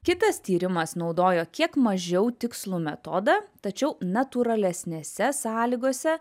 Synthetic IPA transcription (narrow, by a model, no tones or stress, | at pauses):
kʲɪt̪ɐst̪ʲiːɾʲɪmɐsnɒʊd̪oːjoːkʲiɛkmɐʒʲɛʊt̪ʲɪkslˠuːmʲɛt̪ɔd̪ɐt̪ɐt͡ʃʲɛʊnɐt̪uɾɐlʲɛsʲnʲeːsʲɛsɑːlʲiːɡoːsʲɛ